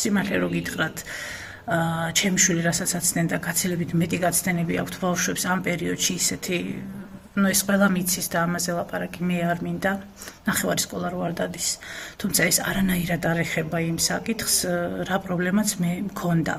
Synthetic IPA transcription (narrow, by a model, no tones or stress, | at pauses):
simaχlɛɾɔɡit̪ʰχɾat̪ʰ | t͡ʃʰɛmiʃwiliɾasat̪sʰat̪sʰnɛnd̪aɡat̪sʰilɛbit̪ʰmɛt̪ʼiɡat̪sʰnɛnɛbia̰kʰt̪ʰbafʃwɛpsampʼɛɾiɔd̪̥ʃiːsɛt̪ʰi | nuɛsqʼwɛlˠamit̪sʰisd̪aːmazɛlˠapʼaɾakʼimɛaɾmind̪a | naχɛvaɾiskʼɔlˠaɾɔaɾd̪ad̪ist̪ʰumt̪sʰaɛsa̰ɾanaiɾad̪aɾɛχɛbaimsakʼit̪ʰχsɾapʼɾɔblɛmat̪sʰmɛmkʰɔnd̪a̰